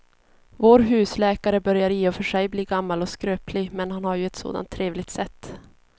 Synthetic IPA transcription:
voːɾɦʉ̟ːslɛːkaɾəbœɾjaɾjiːɔfœʂɛjbliːɡamːalɔskɾøːpʰlɪɡmɛnhanhaɾjɵɛt̪so̰ːd̪a̰nt̪ʰːɾeːvlɪɡ̚t̪sɛt̪ː

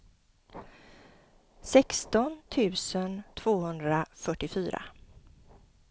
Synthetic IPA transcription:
sɛkst̪ɔnt̪ʰʉ̟ːsənt̪ʰv̥oːhɵnd̪ɾafœʈːɪfyːɾa̰

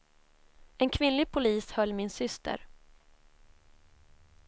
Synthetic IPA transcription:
ɛnkʰvɪnlɪɡ̚pʰʊliːshœlːmɪnsʏst̪ʰə̰ɾ

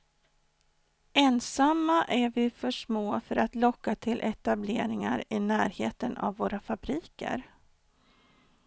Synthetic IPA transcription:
ɛnsamːaʔæɾvɪfœʂmoːfœɾat̪lɔkːat̪ʰɪlʔɛt̪ableːɾɪŋa̰ɾɪnæːɾheːt̪əna̰vːoːɾafabɾiːkə̰ɾ

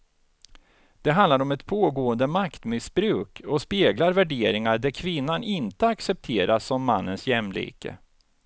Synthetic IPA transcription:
d̪̥ɛɦand̪laɾɔmɛt̪pʰoːɡoːənd̪əmakt̪mɪsbɾʉ̟ːkɔspeːɡlaɾvæɖeːɾɪŋad̪æɾkʰvɪnːanɪnt̪əaksɛp̚t̪ʰeːɾasːɔmːanːənsjɛmːlḭːkə̰

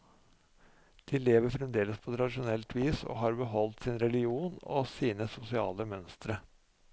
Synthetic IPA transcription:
d̪̥ɪːleːʋəɾfɾɛmd̪eːləspʰɔt̪ʰɾɑd̪ɪʃʊnɛlt̪ʰʋiːso̰ɦɑɾbəɦɔlt̪sɪnɾɛlɪuːnɔ̰siːnəsʊsɪɑːləmœnst̪ɾə

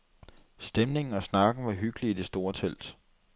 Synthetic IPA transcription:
sd̥emne̝ŋn̩ɒ̽snɑ̈ɡ̥n̩ʋɑ̈ɦyɡ̥əliːd̥e̝sd̥o̝ːɐt͡sʰel̰d̥

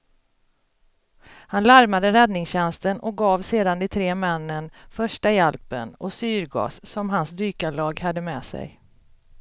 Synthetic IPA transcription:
hanlaɾmad̪əɾɛd̪nɪŋsɕɛnst̪ənɔk̚ɡɑːvseːd̪and̪ɪt̪ʰɾeːmɛnːənfœʂʈajɛlpə̰nɔsyːɾɡɑ̰ːsːɔmɦansd̪yːkalɑːɡhad̪ːəmɛːsɛ̰j

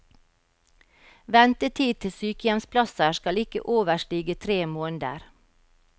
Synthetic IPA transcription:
ʋɛnt̪ət̪ʰiːt̪ʰɪsyːkəjɛmspʰlɑsəʃkɑlɪkə̰ʔoːʋəʃʈiːɡət̪ʰɾeːmoːnd̪ə̰ɾ

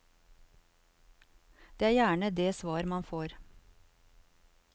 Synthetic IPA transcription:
d̪̥eːæːɾjæːɳəd̪eːsʋɑːɾmɑnfoːɾ

